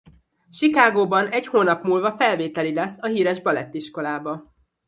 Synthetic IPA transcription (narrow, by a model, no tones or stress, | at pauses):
ʃikaːɡoːbɒnɛchoːnɒpmuːlvɒfɛlveːt̪ɛlilɛsːɒɦiːɾɛʒbɒlɛt̪ːiʃko̞laːbɒ